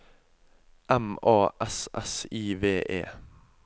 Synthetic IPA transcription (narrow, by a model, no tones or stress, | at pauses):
ʔæmɑːʔɛsɛsiːʋeːʔḛː